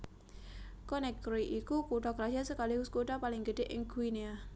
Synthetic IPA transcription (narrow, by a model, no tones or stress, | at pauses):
kɔnɛkɾoiʔikukuɖakəɾad͡ʒasəkaliwʊskuɖapalɪŋɡəɖ̥eʔɪ̰ŋɡuinia